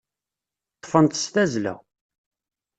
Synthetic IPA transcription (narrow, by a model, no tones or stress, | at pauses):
t̪ˤːfənt̪st̪æzlæ̰